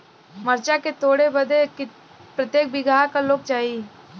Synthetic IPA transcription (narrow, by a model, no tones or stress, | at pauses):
məɾt͡ʃaket̪oːɽeʋɐd̪ek | pɾət̪jeːk̚bɪɡaːkaloːk̚t͡ʃaːiː